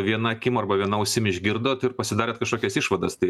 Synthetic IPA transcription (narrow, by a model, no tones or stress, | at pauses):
ʋʲiɛnɐkʲɪmɐrbɐʋʲiɛnɐʊʃʲsʲɪmʲɪʒʲɡʲɪɾd̪oːt̪ɪɾpɐsʲɪd̪ɑːɾʲeːt̪kɐʃkoːkʲɛsɪʃʋɐd̪ɐst̪ɐɪ